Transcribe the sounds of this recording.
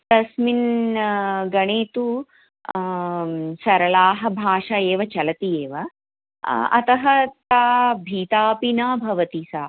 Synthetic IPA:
t̪ɐsmin | ɡɐɳeːt̪u | sɐɾɐlaːɦɐ̆bʱaːʂaeːʋɐt͡ʃɐlɐt̪ieːʋɐ | ɐ̰t̪ɐɦɐt̪aːbʱiːt̪aːpinaːbʱɐʋɐt̪isaː

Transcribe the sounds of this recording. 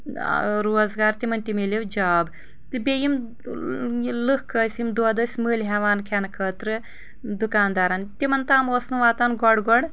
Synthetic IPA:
ɾoːzɡaːɾt̪ʲimɐnt̪imelewd͡ʒaːb | t̪ɨbʲejim | lɨkkʰːəːsʲimd̪uɐd̪ɐsʲməːlʲɦɛːʋaːnkʰɛnkʰəːt̪ɾɨ | d̪ukaːnd̪aːɾant̪ʲimɐnt̪aːmoːsnɨʋaːt̪anɡɔɽɡɔɽ

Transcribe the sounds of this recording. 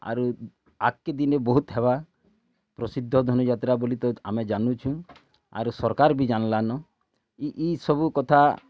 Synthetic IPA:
a̰ɾu | akːed̪inebɔɦut̪ɦeba | pɾɔsid̪ʱːɔd̪ʱɔnɔd͡ʒat̪ɾabolit̪ɔamed͡ʒanũt͡ʃʰũ | a̰ɾusɔɾkaɾbid͡ʒanɔlanɔ | iʔisɔbukɔt̪ʰa

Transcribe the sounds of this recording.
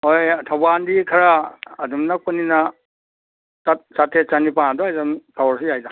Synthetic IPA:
ojtʰabandikʰɐɾaːdumnak̚pɐninɐ | sat̚satʰet͡ʃanipanadɔajzamtʰawɾs̬ijajda

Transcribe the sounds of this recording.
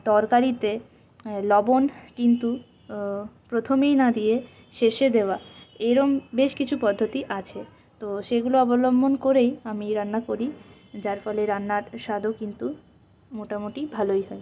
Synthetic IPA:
t̪ɔɾkaɾit̪e | lɔbonkint̪u | pɾot̪ʰomejnad̪ije | ʃeʃed̪eoaeɾombeʃkit͡ɕʰupɔd̪ʱːot̪iʔat͡ɕʰe | t̪oʃeɡuloɔbolombʱonkoɾejamiɾanːakoɾi | d͡ʑaɾfɔleɾanːaɾʃad̪ʱokint̪u | moʈamoʈibʱalojɦɔe

